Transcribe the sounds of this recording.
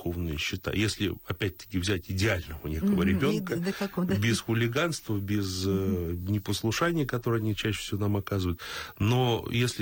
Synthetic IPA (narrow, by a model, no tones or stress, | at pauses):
xo̞vnɨjəɕːɪt̪a̰jesʲlʲɪ̰ɐpʲæt̚ʲt̪ːə̥kʲɪvzʲætʲɪdʲɪalʲnəvənʲekəvəɾʲɪbʲo̞nkəkbʲɪsxʊlʲɪɡanst̪vəbʲɪznʲɪpəslˠʊʂanʲɪjəkɐt̪o̞ɾɨɐnʲit͡ɕæɕːɪfsʲɪvonamɐkazvəjʊt̪nojesʲlʲɪ